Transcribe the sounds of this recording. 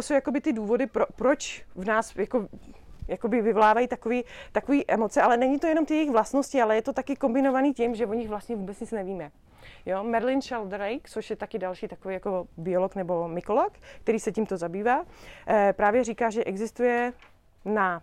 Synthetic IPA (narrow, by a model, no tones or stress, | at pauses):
osowjako̞bɪt̪ɪduːvo̞dɪpɾopɾot͡ʃvnaːsjako | jako̞bɪvɪvo̞laːvajiːt̪akoviːt̪akoviːʔɛmo̞t͡sɛʔalɛnɛɲɪt̪ojɛno̞mt̪ɪjɛjɪɣvlast̪no̞scɪalɛjɛt̪o̞t̪akɪko̞mbɪnovaniːcɪmʒɛvoɲɪɣvlast̪ɲɛvuːbɛt͡sɲɪt͡snɛviːmɛ | joːmɛɾlɪnʃɛld̪ɾɛjkt͡soʃjɛt̪akɪdalʃiːt̪akoviːjako̞bɪoloknɛbo̞mɪkolokkt̪ɛɾiːsɛcɪmt̪o̞zabiːvaː | pɾaːvjɛɾiːkaːʒɛʔɛɡzɪst̪ujɛ | na